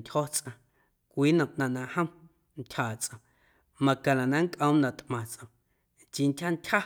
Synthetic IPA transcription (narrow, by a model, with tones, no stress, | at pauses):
tʲho˦t͡sʼʔã˨ | kʷiː˦nã˧˨mʔnã˧ʔnã˧ʔhə̃˦ | n˦tʲhaː˨t͡sʔə̃˨ | mã˧kã˨la˨nã˧ŋ˦kʼʔə̃˦wnã˧˨t̪ʼʔmã˨t͡sʼʔə̃˨m | t͡ʃi˧ntʲha˦n˦tʲha˦